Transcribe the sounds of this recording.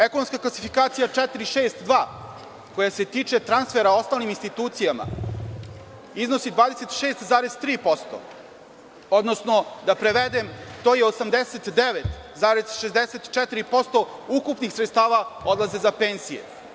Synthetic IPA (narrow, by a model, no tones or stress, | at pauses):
ekonomskaklasifikaːt̪sijat͡ʂɛt̪iɾiʃeːst̪d̪ʋaː | ko̞jase̞t̪iːt͡ʂe̞t̪ɾansfeɾao̞st̪aːlniminst̪it̪uːt̪sijama̰ | izno̞sid̪ʋaːd̪ese̞t̪ʃeːst̪zaːɾezt̪ɾiːpo̞st̪o̰ | o̞d̪nosno̞d̪apɾe̞ʋed̪emt̪oːjeosamd̪eset̪d̪eʋet̪zaːɾezʃezd̪eset̪t͡ʃɛt̪iɾipo̞st̪o̞ukupnixsɾet̪st̪aːʋao̞d̪lˠaze̞zapeːnzijḛ